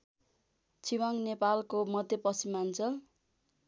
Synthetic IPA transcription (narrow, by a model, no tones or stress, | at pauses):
t͡sʰiwaŋnepalkomʌd̪ʱjʌpʌsimːant͡sʰʌ